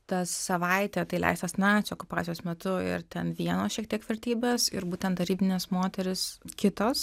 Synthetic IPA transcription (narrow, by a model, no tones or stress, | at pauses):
t̪ɐsɐʋɐɪt̪ʲɛt̪ɐɪlʲɛ̰ɪst̪ɐsnɑt͡sʲokʊpɑːt͡sʲsʲjoːsmʲɛt̪ʊɪ̰ɾt̪ʲɛnʋʲiɛnoːsʃʲiɛk̚t̪ʲiɛkʋʲɛɾʲt̪ʲiːbʲeːsɪ̰ɾbuːt̪ʲɛnt̪d̪ɐɾʲiːbʲɪnʲeːsmoːt̪ʲɛɾʲɪskʲɪt̪oːs